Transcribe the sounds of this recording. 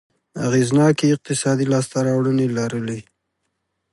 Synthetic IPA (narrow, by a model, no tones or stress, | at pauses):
a̰ɣeznɑkeɪq̚t̪ɪsɑd̪ilɑst̪aɾɑwɽənelaɾəle